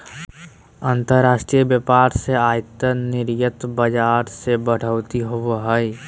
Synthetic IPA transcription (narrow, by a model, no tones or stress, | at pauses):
ənt̪əɾɾaːʃʈɾijəbjəpaːɾseaːjt̪ənɪɾjət̪bəd͡ʒaːɾsebəɽ̤əʊt̪iɦoʋɦəj